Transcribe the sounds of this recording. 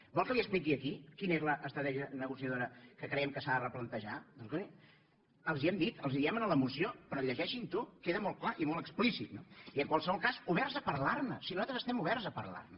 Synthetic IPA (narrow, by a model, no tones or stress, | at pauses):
bɔlˠkəliəsplik̬iəkikinəezləʔəst̪ɾət̪ɛʒənəɣusiəðoɾəkəkɾɛjəmkəsaðərəplənt̪əʒad̪oɣoni | əlˠziɛmd̪it̪əlˠziðiɛmənələmusiopɾɔʎəʒɛʃint̪ukeðəmɔlˠt̚klaʔimɔlˠt̪əksplisit̪̚noiəŋkwalˠsəβɔlˠkazuβɛrzəpəɾlarnəsinuzat̪ɾəzəst̪ɛmuβɛɾzəpəɾla̰rnə